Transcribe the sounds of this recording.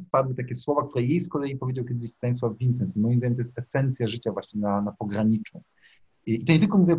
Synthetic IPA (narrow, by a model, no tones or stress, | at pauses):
pad̪wɘt̪akʲɛswɔvak̚t̪uɾɛjejskɔlɛjipɔvʲjed͡ʑawkʲɛd̪ɪɕst̪aɲswavʲinsɛnsimɔjimzd̪aɲɛmt̪ɔjɛst̪ɛsɛnt̪sʲjaʐɘt͡ɕavwaɕɲɛnanapɔɡɾaɲit͡ʂũ | it̪ɔɲeɛt̪lkɔmuvʲiwɛ